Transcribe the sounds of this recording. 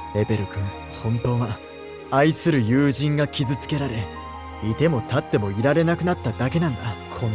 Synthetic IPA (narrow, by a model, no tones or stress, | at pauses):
e̞be̞ɾɯ̟kɯ̃ŋ | hõ̞nt̪o̞ːβa | aisɨɾɯ̟jɯːʑĩŋɡakʲizɨt͡sɨ̥ke̞ɾaɾe̞ | it̪e̞mo̞t̪at̪ːe̞mo̞iɾaɾe̞nakɯ̟nat̪ːad̪ake̞nãnd̪akʰõn